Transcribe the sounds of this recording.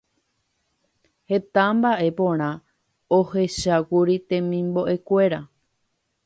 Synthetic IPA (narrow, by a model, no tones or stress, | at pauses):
he̞t̪ambaʔe̞põ̞ɾ̃ã | ohe̞ʃakuɾit̪ẽ̞mĩmbo̞ʔe̞kʷe̞ɾa